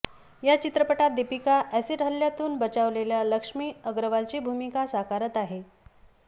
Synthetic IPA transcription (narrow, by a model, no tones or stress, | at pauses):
jat͡ɕit̪ɾəpəʈat̪̚d̪epikaʔæseɾ̤ʱaljat̪uːnbət͡ɕaʋleljaləkʂmiːəɡɾəʋalt͡ɕiːbʱumikasakaɾət̪aɦe